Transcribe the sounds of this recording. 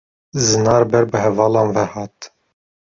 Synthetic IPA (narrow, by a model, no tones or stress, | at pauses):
zɨnɑːɾbɛɾbɨɦɛvɑːlɑːnvɛhɑːt̪